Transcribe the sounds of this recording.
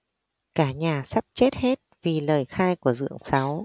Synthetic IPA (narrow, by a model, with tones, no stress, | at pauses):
kaː˧˩ɲaː˨˩sa˦˥p̚t͡ɕe˦˥t̚he˦˥t̚vi˨˩ləː˨˩jxaː˧jku˧˩əzɨ̰˧˨əŋsa˨˦w